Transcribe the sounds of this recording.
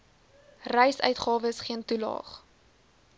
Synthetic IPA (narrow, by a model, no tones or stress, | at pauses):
rɛjsœ̰ɥtχɑːvəsχiəntulɑ̰ːχ